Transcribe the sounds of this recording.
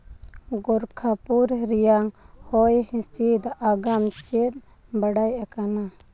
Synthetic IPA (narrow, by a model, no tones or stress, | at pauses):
ɡɔɾkʰapuɾɾijaŋhɔjhĩst͡ʃid̪ʔaɡamt͡ʃɛt̪̚ˀ | baɽajʔakana